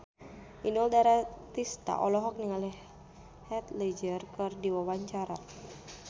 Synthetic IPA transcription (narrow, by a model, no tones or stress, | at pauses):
ʔinɔldaɾat̪ist̪a̰ʔɔlɔɦɔk̚niŋalɛh | hɛt̪lɛd͡ʒərkɨrdiwawaɲt͡ʃaɾa